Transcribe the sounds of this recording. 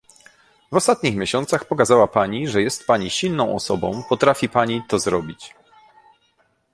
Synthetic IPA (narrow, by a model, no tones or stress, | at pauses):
vɔst̪at̪̚ɲixmʲjeɕɔnt̪saxpɔkazawapaɲiʐɛjɛst̪paɲiɕilnɔ̃w̃ɔsɔbɔ̰̃w̃pɔt̪ɾafʲipaɲit̪ɔzɾɔbʲit͡ɕ